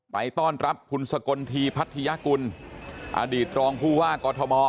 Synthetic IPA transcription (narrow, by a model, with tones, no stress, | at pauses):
pa̰˧jt̪ɔː˥˩nɾa˦˥pʰːu˧nsa˧ko˧nt̪ʰiː˧pʰa˦˥t̪ʰːi˧ja˦˥ku˧nʔa̰˧diː˨˩t̪̚ɾɔː˧ŋpʰuː˥˩waː˥˩kɔː˧t̪ʰɔ˧mɔː˧